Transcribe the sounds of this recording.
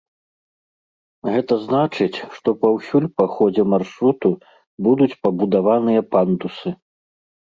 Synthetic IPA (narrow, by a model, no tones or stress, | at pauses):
ɣɛt̪ɐznat͡ʂɨt͡sʲʂt̪ɔpɐwsʲulʲpaxɔd͡zʲɛmarʂɾut̪u | bud̪ut͡sʲpɐbud̪avanɨjɐpand̪usɨ